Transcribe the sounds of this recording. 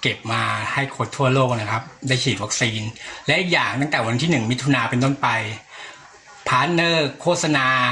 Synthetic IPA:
ke˨˩p̚maː˧ha˥˩jkʰo˧nt̪ʰu˥˩ɐloː˥˩k̚na˦˥kʰa˦˥p̚daː˥˩jkʰiː˨˩t̪̚wa˦˥k̚siː˧nlɛ˦˥ʔi˨˩k̚jaː˨˩ŋ̚t̪a˥˩ŋt̪ɛː˨˩wa˧nt̪ʰiː˥˩nɯ˨˩ŋmi˦˥t̪ʰːu˧naː˧pe˧nt̪̬o˥˩npa˧j | pʰaː˦˥t̪̚nɤː˥˩kʰːoː˥˩t̪̚sa˧naː˧

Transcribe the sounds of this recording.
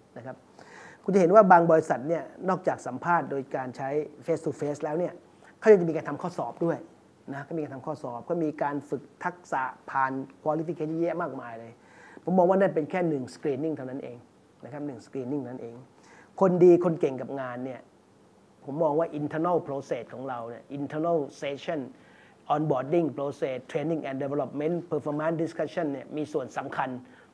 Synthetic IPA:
na˦˥kʰa˦˥p̚ | kʰu˧nt͡ɕa˨˩he˩˦nwaː˥˩baː˧ŋbɔː˧ɾi˧sa˨˩t̪̚ni˥˩ɐnɔː˥˩k̚t͡ɕaː˨˩k̚sa˩˦mpʰaː˥˩t̪̚doː˧jkaː˧nt͡ɕʰa˦˥jfeː˦˥st̪ʰuː˧feː˦˥slɛː˦˥wni˥˩ɐ | kʰɔ˥˩ja˧ŋt͡ɕa˨i˧kaː˧nt̪ʰa˧kʰɔː˥˩sɔː˨˩p̚du˥˩əj | na˦˥kʰaː˥˩mi˧ka˧nt̪ʰmkʰɔː˥˩sɔː˨˩p̚kʰɔː˥˩miː˧kaː˧nfɯ˨˩k̚t̪ʰa˦˥k̚sa̰ː˩˦pʰaː˧nkʰwaː˧li˦˥fi˧kʰeː˦˥˩jɛ˦˥˩maː˥˩k̚maː˧jlɤː˧j | pʰo˩˦mːɔː˧ŋwaː˥˩naː˥˩np̬e˧nkʰɛː˥˩nɯ˨˩ŋskɾiː˧ni˥˩ŋt̪ʰa˥˩na˦˥nʔeː˧ŋ | na˦˥kʰa˦˥p̚nɯ˨˩ŋskɾiː˧nːi˥˩ŋʰ˧˩n˦a˥ʔeː˧ŋ | kʰo˧ndiː˧kʰo˧nke˨˩ŋka˨˩p̚ŋaː˧nːi˥˩ɐ | pʰo˩˦mːɔː˧ŋwaː˥˩ʔi˧nt̪ʰəː˧na˥˩pʰɾoː˧seː˨˩t̪̚kʰɔː˩˦ŋɾa˧wni˥˩ɐʔi˧nt̪ʰəː˧na˥˩lseː˨˦˥t͡ɕʰɔ˥˩n | ʔɔː˧nbɔː˨˩i˥˩ŋpʰɾoː˧seː˨˩t̪ʰːɾeː˧nːi˥˩ŋʔɛː˨nde˧we˧lɔ˧˩p̚me˦˥npʰəː˧fɔː˧ma˦˥ndi˦skʰa˦˥t͡ɕʰa˥˩nːi˥˩əmiː˧su˨˩ənsa˩˦mkʰa˧n

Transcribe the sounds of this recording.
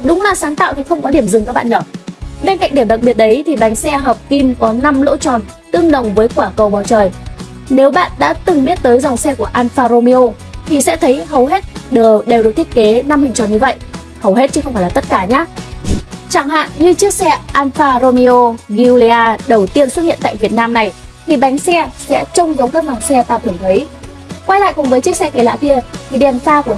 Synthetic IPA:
ɗʊ˨˦ŋ͡mlaː˨˩saː˨˦ŋt̪a̰ː˧˨wnɨ˧˩xə˧wŋ͡mkɔ˨˦ɗi˧˩əmzɨ˨˩kaː˦˥k̚ɓ̰ːnəː˧˩ɓe˧nka̰˧˨ŋ̟ɗi˧˩mɗa˨˩k̚ɓi˨˩ət̚ɗə˨˦jt̪ʰi˨˩ɓa˨˦jŋ̟sɛ˧ɦəː˨˩p̚ki˧mkɔ˨˦na˧mlo̰˧˥t͡ɕɔ̰˧˩n | t̪ɨ˧əŋɗə˨˩wŋ͡mvəː˨˦jkwaː˧˩kə˨˩wɓɔː˨˩wt͡ɕəː˨˩j | ne˨˦wɓa̰ː˧˨nɗa̰ː˧˥t̪ɨ˨˩ŋɓi˦˥ət̚t̪əː˨˦jzɔ˨˩wŋ͡msɛ˧ku˧˩əʔaː˧nfaː˧ɾo˧mi˧o˧ | t̪ʰi˨˩sɛ̰˧˥t̪ʰə˨˦jɦə˨˩wɦe˦˥t̚ɗəː˨˩ɗe˨˩wɗɨ˨˩˦t̪i˦˥ət̚ke˨˦na˧mhï˨ŋ̟t͡ɕəː˨˩jɲɨ˧və̰˧˨jʔ | hə˨˩wɦe˦˥t̚t͡ɕɨ˧˨˦xə˧ŋ͡mfaː˧˩la˨˩˦t̚kaː˧˩ɲaː˨˦ | t͡ɕaː˧˩ŋɦa̰ː˧˨nɲɨ˧t͡ɕɨ˦˥ək̚sɛ˧ʔaː˧nfaː˧ɾo˧mi˧o˧ɣi˧u˧li˧aː˧ɗə˨˩wt̪i˧ənswt̚hḭ˧˨nt̪a̰ː˧˨jvi˨˩ət̚naː˧mna˨˩j | t̪ʰi˨˩ɓa˨˦jŋ̟sɛ˧sɛ̰˧˥t͡ɕʊ˧ŋ͡mzə˨˦wŋ͡mkaː˦˥k̚za˨˩wsɛ˧t̪aː˧˩t̪ʰɨ˧˩əŋt̪ʰə˨˦j | kwaː˧jla̰ː˧˨jkʊ˨˩ŋ͡mvəː˨˦jt͡ɕɨ˦˥ək̚sɛ˧ke˧˩la̰ː˧˥ki˧ət̪ʰi˨˩ɗɛ˨˩nfaː˧ku˧˩ə

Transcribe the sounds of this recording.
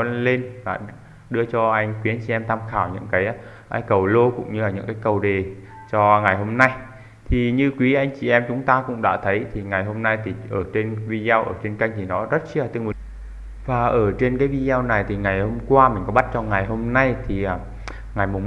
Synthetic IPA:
ə˧nle˧nvaː˨˩ | ɗɨ˧ət͡ɕɔ˧ʔa˧jŋ̟kwi˨˦a˧ŋ̟t͡ɕi˨ʔɛ˧mt̪ʰa˧mxaː˧˩wɲɨ̰˧˥ŋkaː˨˦j | ʔaː˧˦jkə˨˩wlo˧kʊ̰˧˥ŋ͡mɲɨ˧laː˨˩ɲɨ̰˧˥kaː˨˦jkə˨˩wɗe˨˩ | t͡ɕɔ˧ŋa˨˩jɦo˧mna˧j | t̪ʰi˨˩ɲɨ˧kwi˨˦ʔa˧jŋ̟t͡ɕi˨˩ʔɛ˧mt͡ɕʊ˨˦ŋ͡mt̪aː˧kʊ̰˧˥ŋ͡mɗa̰ː˧˥t̪ʰə˨˦jt̪ʰi˨˩ŋa˨˩jɦo˧mna˧jt̪ʰi˨˩ʔəː˧˩t͡ɕe˧nvi˧za˧wʔə̰ː˧˩t͡ɕe˧nka˧jŋ̟t̪ʰi˨˩nɔ˨˦zə˦˥t̚xi˦a˨˩t̪ɨ˧˨ŋmɨ˨˦ | vaː˨˩ʔəː˧˩t͡ɕe˧nkaː˨˦jvi˧za˧wna˨˩jt̪ʰi˨˩ŋa˨˩jho˧mkwaː˧mï̟˨˩kɔ˨˦ɓa˦˥t̚t͡ɕɔ˧ŋa˨˩jɦo˧mna˧jt̪ʰi˨˩ʔaː˨˩ | ŋa˨˩jmʊ˨˩ŋ͡m

